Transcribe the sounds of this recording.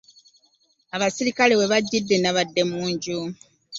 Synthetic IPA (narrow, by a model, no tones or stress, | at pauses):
aβasiɾikale̞we̞βaɟːidːe̞naβadːe̞muːɲɟu